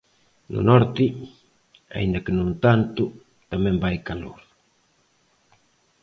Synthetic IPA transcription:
nʊ̰nɔɾt̪ɪ | a̰ḭnd̪akɪnũnt̪ant̪u | t̪amẽmbajkalo̰ɾ

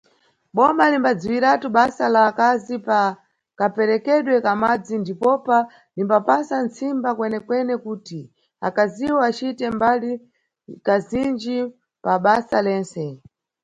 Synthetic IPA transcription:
ɓɔmalimbad͡ziwiɾatuɓasalakazipa | kapɛɾɛkɛɗwɛkamad͡zindipɔpa | limbapasant͡sʰimbakwɛnɛkwɛnɛkuːti | a̰kaziwɔat͡ʃitɛmbali | kazind͡ʒi | paɓasalɛːnsɛ

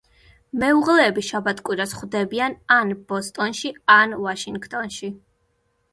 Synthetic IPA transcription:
mɛuʁlɛːbiʃabat̪ʰkʼwiɾasχwvd̪ɛbiananb̥ɔst̪ʼɔnʃianvaʃiŋɡt̪ʼɔnʃi

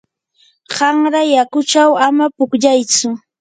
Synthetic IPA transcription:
ɢɑŋɾajakʊt͡ʃawamapʊkʎajt͡sʊ

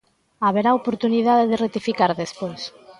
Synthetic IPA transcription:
aβeɾaopoɾt̪uniðaðeðeret̪ifikaɾðespojs

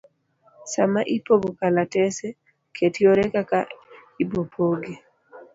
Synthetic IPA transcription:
samaʔipobukalatɛsɛ | kʰetʰioɾɛkakaibopʰoɡe

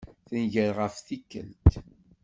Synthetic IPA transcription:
θənʝəɾʁəfθikːə̰lt̪

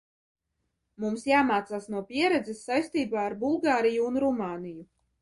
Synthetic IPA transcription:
mumsjaːmaːt̪saːsnuɔpʲiɛɾɛd̪zɛsːajst̪iːbaːɾbulˠɡaːɾijuːnɾumaːniju

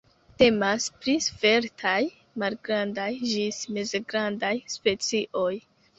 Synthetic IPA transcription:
te̞maspɾisfe̞ɾtʰaj | malɡɾandajd͡ʒismezeɡɾandajspe̞t͡siʔo̞j

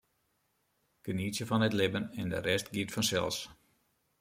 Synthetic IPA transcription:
kənisjəfɔnɛtlɪbənɛndə̰ɾɛstɡiətfɔnsɛ̰lˠs

